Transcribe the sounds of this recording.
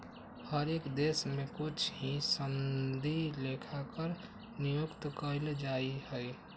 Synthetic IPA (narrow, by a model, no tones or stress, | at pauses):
həɾeːkd̪eːsmẽkʊt͡ʃʰɦĩsənd̪ilekʰakəɾ | nijʊkt̪kəɪld͡ʒaːihɛi